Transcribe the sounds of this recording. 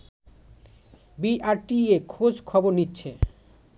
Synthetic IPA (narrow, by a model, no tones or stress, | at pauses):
biʔaɾʈiekʰod͡ʑkʰɔboɾnitːɕʰe